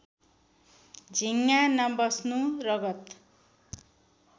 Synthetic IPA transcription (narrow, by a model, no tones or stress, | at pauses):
d͡zʱiŋːanʌmbʌsnurʌɡʌt̪